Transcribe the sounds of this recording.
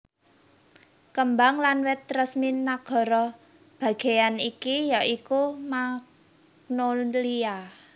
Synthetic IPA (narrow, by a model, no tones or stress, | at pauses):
kəmbaŋlanwɛt̪ːɾəsminaɡ̥ɔ̤ɾɔ | b̥ä̤ɡ̥e̤janikijaʔikumak̚ | nolia